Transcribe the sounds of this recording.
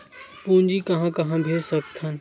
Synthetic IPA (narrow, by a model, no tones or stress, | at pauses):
pũːnd͡ʒikɐɦãkɐɦãbʱeːsɐkt̪ɦən